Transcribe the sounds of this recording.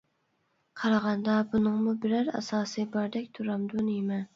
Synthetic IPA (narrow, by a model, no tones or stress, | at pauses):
qʰɑɾɑʁɑnd̪ɑbunɨŋmubɪɾæɾæ̰sɑːsɨbɑɾd̪ɛk̚ʲt̪ʰuɾɑmd̪unjemɛn